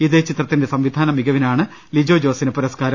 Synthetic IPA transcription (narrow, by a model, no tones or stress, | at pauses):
iðet͡ɕit̪rɐt̪ːinde̞sɐmʋid̪ʱaːnɐmiɡɐʋinaːɳɨ | lid͡ʑo̞ːd͡ʑo̞ːsinɨpuɾɐskaːɾɐ